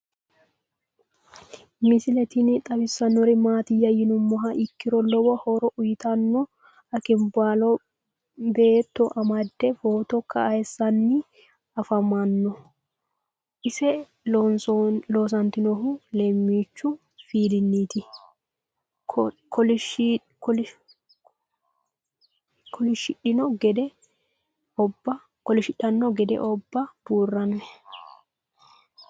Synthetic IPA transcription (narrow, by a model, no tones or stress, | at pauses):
mɪsɪlɛt̪inɪt̪ʼɐbɪsːɐnːɔɾɪmaːt̪ɪjːɐjɪnʊmːɔɦɐʔɪkːɪɾɔlɔbɔhɔɾɔʔʊjɪt̪ɐnːɔ | ɐkɪmbaːlɔ | beːt̪ːɔʔɐmɐd̪ːɛfoːt̪ɔkʰːɐɐjɛsːɐnːɪ | ɐfɐmɐnːɔ | ʔɪsɛ | nsloːs̬ɐnt̪ɪnɔɦʊlɛmːiːt͡ʃːʊ | fiːd̪ɪnːiːt̪ɪ | kʰɔl | kʰɔlɪʃːɪᶑɪnɔɡɛd̪ɛ | ɔbɐ | kɔlɪʃɪᶑɐnːɔɡɛd̪ɛ̰ʔɔbːɐb̥uːrːɐnːɛ